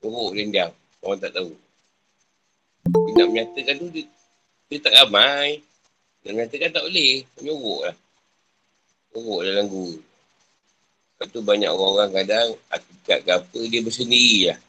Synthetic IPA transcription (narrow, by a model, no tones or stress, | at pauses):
ɲoɣoʔdindam | kawant̪a̰ʔt̪au | binaʔməɲat̪əkant̪udə | diət̪aʔɣamaj | na̰ʔməɲat̪əkant̪aʔolehməɲoɣɔʔlah | oɣɔʔdalaŋɡuɣə | pant̪ubaɲa̰koɣaŋoɣaŋkadaŋa̰t̪ika̰ʔɡapədiəbəs̬əndiɾilah